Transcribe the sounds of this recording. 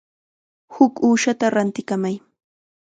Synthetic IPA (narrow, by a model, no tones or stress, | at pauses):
hʊkuːʃat̪aɾant̪ɪkamaj